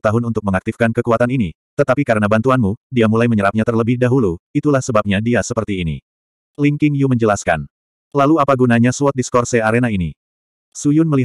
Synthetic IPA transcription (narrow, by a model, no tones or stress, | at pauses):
t̪aɦʊnunt̪ʊk̚məŋak̚t̪ifkankəkuat̪anini | t̪ət̪apikaɾənabant̪uanmudiamulajməɲəɾap̚ɲat̪ərləbɪhdaɦuluit̪ulahsəbap̚ɲadiasəpərt̪iːnḭ | liŋkɪŋjuməɲd͡ʒəlaska̰n | laluapaɡunaɲasuɔt̪̚diskɔrsɛaɾenaini | sujʊnməli